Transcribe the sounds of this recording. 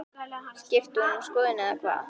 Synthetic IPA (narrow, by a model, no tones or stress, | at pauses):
scɪft̪unumskɔːðɪnɪðakʰva̰ːð